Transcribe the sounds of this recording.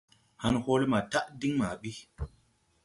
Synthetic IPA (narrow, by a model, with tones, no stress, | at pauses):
ha˦nho˦lma˨ta˦ʔdi˦ŋma˨ɓi˦